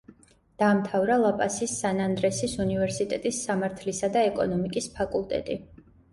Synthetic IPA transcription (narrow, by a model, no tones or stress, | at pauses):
d̪̥aːmt̪ʰavɾalˠapʼasisːanand̪ɾɛsisunivɛɾsit̪ʼɛt̪ʼisːamaɾt̪ʰlisad̪aɛkʼɔ̰nɔmikʼispʰakʼulˠt̪ʼɛ̰t̪ʼi